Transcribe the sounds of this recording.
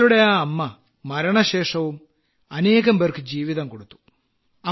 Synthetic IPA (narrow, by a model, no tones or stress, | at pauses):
luɽejaːɐmːɐ | mɐɾɐɳɐɕeːʂɐʋum | ɐneːɣɐmʋɐrkɨd͡ʑiːʋiðɐmkoɽut̪ːu̥ | ɐ